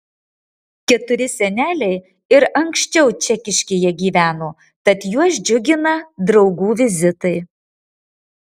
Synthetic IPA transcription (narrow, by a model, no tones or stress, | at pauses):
kʲɛt̪ʊɾʲɪsʲɛnʲæːlʲɛɪ | ɪɾɐŋkʃʲt͡ʃʲɛʊt͡ʃʲɛkʲɪʃʲkʲejɛɡʲiːʋʲæːnoː | t̪ɐt̪juɔʃd͡ʒʲʊɡʲɪnɐd̪ɾɒʊɡuːʋʲɪzʲɪt̪ɐɪ